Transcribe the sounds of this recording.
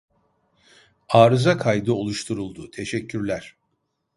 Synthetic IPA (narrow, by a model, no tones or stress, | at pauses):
aːɾɯzakʰajd̪ɯo̞lˠuʃt̪ʰuɾulˠd̪ut̪ʰe̞ʃɛcʰːyɾlʲæɾ̥